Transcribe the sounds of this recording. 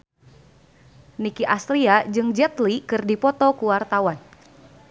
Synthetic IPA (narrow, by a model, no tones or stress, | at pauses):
nikiʔast̪ɾiad͡ʒɨŋd͡ʒɛt̪likɨrdipɔt̪ɔkuwart̪awan